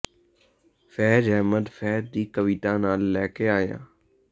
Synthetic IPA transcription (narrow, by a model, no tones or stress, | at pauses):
fɛːd͡ʒɦɛːməd̪fɛːd̪̚d̪iːkəʋiːt̪ãːnaːlːɛːkeːaːjã̰ː